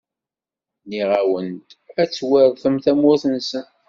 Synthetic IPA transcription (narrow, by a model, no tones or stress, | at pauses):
niʁawənt̪æt͡sːwəɾˤθəmθæmʊθənsən